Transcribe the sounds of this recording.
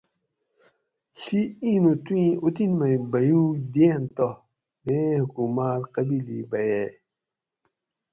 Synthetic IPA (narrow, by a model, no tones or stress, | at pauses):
ɬiĩnutĩutinmajbajudiãntɔ | mehukumalkabilibajɛ